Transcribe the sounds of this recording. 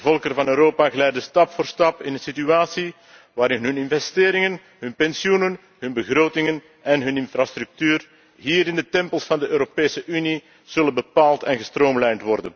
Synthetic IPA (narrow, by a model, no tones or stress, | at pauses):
əvɔlˠkərvɑnøːɾoːpaːɣəlɛjdəstɑpfoːrstɑpɪnənsityaːsi | ʋaːɾɪnɦɵnɪnvɛsteːɾɪŋən | ɦɵnpɛnsjunən | ɦɵnbəɣɾoːtɪŋən | ɛnɦɵnɪnfɾast̪ɾʉk̚tyːr | ɦiːɾɪndətɛmpəlˠsfɑndəʔøːɾopeːsəʔyni | z̥ɵlənbəpaːlˠtɛnɣəstroːmlɛjntʋɔrdən